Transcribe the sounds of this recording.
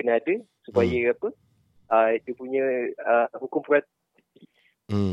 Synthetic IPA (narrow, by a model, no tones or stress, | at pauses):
kənaadə | supajəapə | ədiəpuɲə̃əhukʊmpɾat̪̚ | t̪i